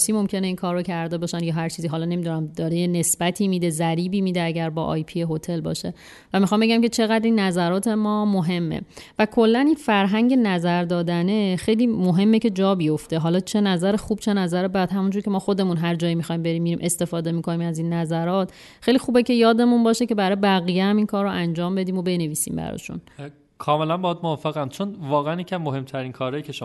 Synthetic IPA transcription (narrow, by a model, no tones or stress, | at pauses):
siːmo̞mcʰe̞ne̞iːnkʰɒːɾːocʰæɾd̪e̞bɒːʃænjɒːɦæɾt͡ʃʰiːziːɦɒːlɒːne̞mid̪unæmd̪ɒːɾejene̞sb̥æt̪ʰiːmiːd̪e̞zæɾiːbiːmiːd̪eæɟæɾbɒ̰ːʔɒ̰ːjpʰijeɦo̞t̪ʰe̞lbɒ̰ːʃe̞ | væmixɒːmbe̞ɟæmcʰe̞t͡ʃʰe̞ɣæd̪ɾinːæzæɾɒːt̪ʰe̞mɒːmoɦe̞mːḛvækʰo̞lːæninfæɾɦæɲɟe̞næzæɾd̪ɒːd̪æne̞xejliːmoɦe̞mːece̞d͡ʒɒːbijo̞ft̪e̞ɦɒːlɒːt͡ʃʰe̞næzæɾexuːb̥t͡ʃʰe̞næzæɾebæd̪hæmund͡ʒuːɾcʰe̞mɒːxo̞d̪e̞munɦæɾd͡ʒɒːjimixɒːjmbe̞ɾiːmːiɾiːmʔe̞st̪e̞fɒːd̪e̞miːkʰo̞niːmæziːnːæzæɾɒːt̪ | xejlixuːbe̞ce̞jɒːd̪e̞munbɒːʃece̞bæɾɒːjebæɣijehæmiːnkʰɒːɾːoʔænd͡ʒɒːmbe̞d̪iːmobe̞ne̞viːsḭːmbæ̰ɾɒ̰ːʃṵn | kʰɒːme̞lænbɒæd̪movɒfːeɣæmt͡ʃʰonvɒːɣeænjecæmːohe̞mt̪ʰæɾiːnkʰɒːɾɒːjicʰeʃ